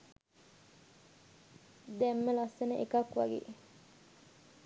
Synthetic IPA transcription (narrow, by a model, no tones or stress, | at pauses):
d̪ɛmːəlasːenəʔekakʋa̰ɡḛː